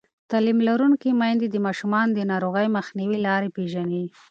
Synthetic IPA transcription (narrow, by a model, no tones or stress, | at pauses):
t̪ɑlimlaɾuŋkimɑjnd̪ed̪əmɑʃumɑnd̪ənɑɾoɣəjməxniwilɑɾepeʒani